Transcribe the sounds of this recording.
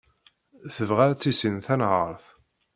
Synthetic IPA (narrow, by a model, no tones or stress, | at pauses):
θəvʁaɾæt͡sːisinθænʕəɾˤθ